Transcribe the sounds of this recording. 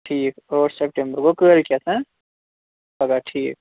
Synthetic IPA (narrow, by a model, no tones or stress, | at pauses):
ʈʰiːkoːɾsep̚ʈẽmbəɾkokəːɾkjɛt̪ʰɛ̃ | pɐɡaʈʰiːk̚